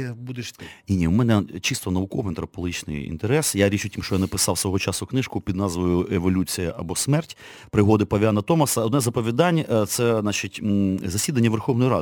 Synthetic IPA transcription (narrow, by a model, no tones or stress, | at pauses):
bud̪ɪʃnʲinʲiumɛnɛt͡ʃist̪ɔnɐʋʊkɔʋɪnt̪ɾɐpɔlˠɦit͡ʃnɪ̰jḭnt̪eɾɛsjaɾʲit͡ʃʊtʲimʃt͡ʃɔjanɐpɪsɑwsʋɔɦɔt͡ʃɑsʊknɪʃkʊpʲid̪nɑzʋojʊʔeʋɔlʲut͡sʲijɐʔɐbɔsmɛrtʲ | pɾɪɦɔd̪ɪpɐʋʲanɐt̪ɔmɐsɐɔd̪nɛzɐpɔʋʲid̪ɑnʲt̪sɛɑt͡ʃitʲzɐsʲid̪ɐnʲːɐʋerxɔwnɔjiɾɑ̰d̪ɪ